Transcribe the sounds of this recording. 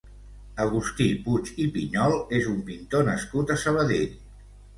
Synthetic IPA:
əɣust̪iput͡ʃipiɲɔlˠezumpint̪onəskut̪əsəβ̞əðeʎ

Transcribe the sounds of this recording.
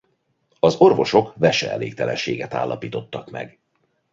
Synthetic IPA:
ɒzo̞rvo̞ʃo̞kvɛʃɛɛleːkt̪ɛlɛnʃeːɡɛt̪a̰ːlːʔɒpiːt̪o̞t̪ːɒkmɛ̰ɡ

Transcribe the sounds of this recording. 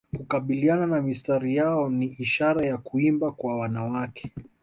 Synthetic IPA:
kukaɓiliananamistaɾijaɔniiʃaɾajakuimbakwawanawakɛ̥

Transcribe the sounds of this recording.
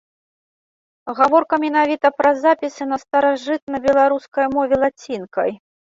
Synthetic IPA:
ɣavɔrkɐmʲɛnavʲit̪ɐpɾɐzapʲisɨnɐst̪ɐɾaʐɨt̪̚nɐbʲɛlˠaɾuskɐjmɔvʲɛlˠat͡sʲinkɐ̰j

